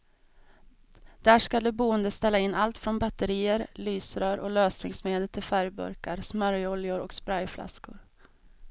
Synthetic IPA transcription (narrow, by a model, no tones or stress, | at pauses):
d̪̥æːʂkad̪ɛbuːənd̪əst̪ɛlːaɪnːʔalt̪fɾɔnbat̪ːəɾiːəɾlyːsɾœːɾʔɔløːsnɪ̰ŋsmeːd̪əlt̪ʰɪlfæɾjbɵ̰ɾkaɾsmœɾjɔljʊɾɔ̰kspɾajflʔa̰skʊ̰ɾ